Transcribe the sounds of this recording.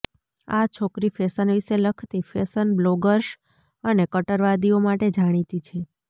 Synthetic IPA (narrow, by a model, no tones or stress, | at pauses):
a̰t͡ʃʰokɾifesənʋiʃeləkʰt̪ifesənbloɡəɾʃ | ənekəʈəɾʋad̪iomaʈed͡ʒaɽ̃it̪it͡ʃʰe